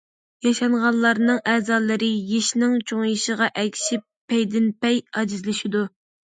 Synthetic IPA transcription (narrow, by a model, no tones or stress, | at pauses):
jɑʃɑɴʁɑnlˠɑɾnɨŋɛːzɑlˠɨɾɨjeʃnɪŋt͡ʃʰoŋjiʃəʁɑʔɛkʲʰʃipː | ɛjd̪ɪnpɛjɑd͡ʒizlɪʃid̪u